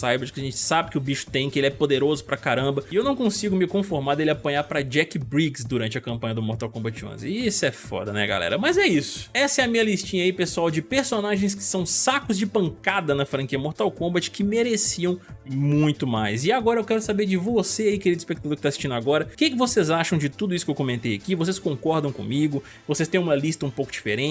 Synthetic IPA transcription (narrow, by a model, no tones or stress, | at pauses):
sajbɐd͡ʒkɪɐaʒẽnt͡ʃɪ̥sabɪkɪʊbiʃʊ̥t̪ẽj̃kɪelɪɛpod̪eɾozʊpɾɐkaɾɐ̃mbɐiewnɐ̃w̃kõsiɡʊmɪkõfoɾmaɾd̪elɪapɐ̃ɲaɾpɾɐd͡ʒɛkɪbɾiɡsd̪uɾɐ̃nt͡ʃɪɐkɐ̃mpɐ̃ɲ̃ɐd̪ʊmoɾt̪awkõbɐt͡ʃiõ̰zisʊɛfɔ̰d̪ɐnɛ̰ɡa̰lɛ̰ɾɐmɐzɛisʊ̥ɛsɐɛɐmĩɲɐlist͡ʃĩɲɐipesuawd͡ʒɪpeɾsonaʒẽj̃skɪ̥sɐ̃w̃sakʊzd͡ʒɪpɐ̃ŋkad̪ɐnɐfɾɐ̃kiɐmoɾt̪awkõmbɐt͡ʃɪ̥kɪmeɾesiɐ̃w̃mũj̃t̪ʊmajzɪaɡɔɾɐewkɛɾʊsabeɾd͡ʒɪvoseaikeɾid̪ʊɪspek̚t̪ad̪oɾkɪ̥t̪asi̥ʃt͡ʃĩd̪aɡɔɾɐkɪkɪvosezaʃɐ̃w̃d͡ʒɪt̪ud̪ʊisʊ̥kewkõmẽnt̪ejakivos̬eskõŋkɔɾd̪ɐ̃w̃kõ̰miɡʊ | vosest̪ẽj̃ũmɐlist̪ɐũpowkʊd͡ʒifeɾẽ